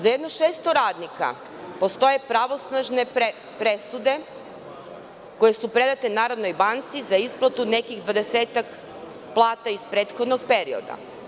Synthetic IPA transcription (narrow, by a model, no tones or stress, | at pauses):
zajed̪noʃeːst̪o̞ɾaːd̪nika̰ | po̞st̪o̞je̞pɾaʋo̞snaʒne̞e | pɾesud̪e̞ | ko̞je̞supɾe̞d̪at̪enaːɾad̪no̞jbant̪sizaisplˠat̪une̞kiɣd̪ʋad̪e̞seːt̪ak | plˠaːt̪aispɾeːt̪xod̪noɡ̚pe̞ɾio̰d̪a̰